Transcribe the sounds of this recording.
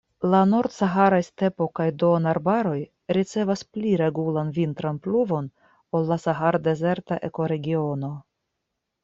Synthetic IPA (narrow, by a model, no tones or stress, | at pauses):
lano̞ɾdsaɦaɾajste̞po̞kajdo̞naɾbaɾo̞j | ɾit͡se̞vaspliɾe̞ɡulanvint̪ɾanpluvo̞n | olːasaɦaɾde̞ze̞ɾtaʔe̞ko̞ɾe̞ɡio̞no̞